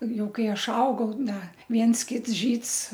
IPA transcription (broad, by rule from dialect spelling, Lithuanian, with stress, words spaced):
ˈjɛʊ ˈkɐɪ ˈɐʃ ˈɐʊɡɐʊ ˈdɐ ˈʋʲiɛns ˈkʲɪts ˈʒʲiːts